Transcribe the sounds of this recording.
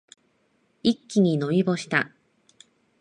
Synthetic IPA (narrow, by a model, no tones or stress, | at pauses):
ikʲːiɲ̟ino̞ibo̞ɕi̥t̪a